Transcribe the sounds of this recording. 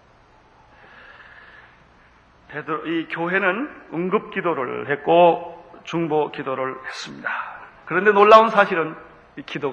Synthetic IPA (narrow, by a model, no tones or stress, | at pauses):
pedɯɾoikjoɦe̞nɯnɯŋɡɯp̚k͈idoɾɯ̰ɭhe̞t̚k͈ot͡ɕuŋbokidoɾɯɭhe̞s͈ɯmɲidakɯɾʌnde̞noɭːaunsʰaɕʰiɾɯn | ikido